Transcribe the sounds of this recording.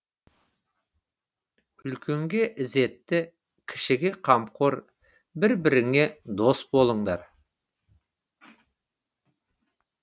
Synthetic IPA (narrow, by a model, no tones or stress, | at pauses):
ʏlkʲe̞ŋɡʲe̞ʔɪze̞t̪ːɪ | kʲʰɪ̥ʃɪɡʲe̞qʰɑmqʰoɾ | bɪɾbɪɾɪŋe̞d̪o̞sbo̞lˠəɴd̪ɑɾ